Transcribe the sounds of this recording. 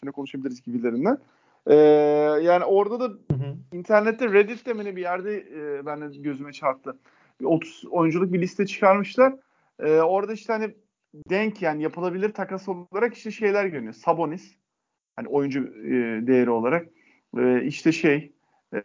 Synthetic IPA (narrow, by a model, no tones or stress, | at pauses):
inɛkʰo̞nuʃabilʲiɾizɟibilʲeɾind̪æn | ɛːjaːnio̞ɾd̪ad̪aint̪ʰæɾnɛt̪ʰːɛɾed̪it̪d̪ɛmenʲibijæɾd̪ɛbænd̪ɛɟø̞zymɛt͡ʃʰaɾt̪ʰːɯ | ot̪ʰu̥zo̞jund͡ʒulˠɯk̚bilʲist̪ʰɛt͡ʃʰɯ̥kʰaɾmɯʃlˠaɾ̥ | ɛːo̞ɾad̪aiʃt̪ɛhani | d̪ɛɲcjaːnijapʰɯlˠabilʲiɾt̪ʰakasolˠlˠaɾaki̥ʃt̪ɛʃe̞jlʲæɾɟønyjosabo̞nis | hanio̞jund͡ʒud̪e̞jeɾio̞lˠaɾak̚ | ɛːiʃt̪ʰɛʃej